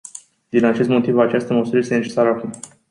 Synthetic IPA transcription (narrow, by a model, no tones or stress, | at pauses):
d̪inat͡ʃe̞st̪mo̞t̪ivat͡ʃast̪əməsuɾəje̞st̪ene̞t͡ʃe̞saɾəakum